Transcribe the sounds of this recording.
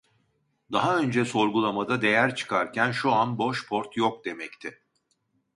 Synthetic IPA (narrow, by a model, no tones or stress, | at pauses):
d̪aɦaø̞nd͡ʒɛso̞ɾɡulˠamad̪ad̪e̞jæɾt͡ʃʰɯ̥kʰaɾcʰænʃuanbo̞ʃpʰo̞ɾt̪ʰjok̚d̪e̞mɛct̪ʰɪ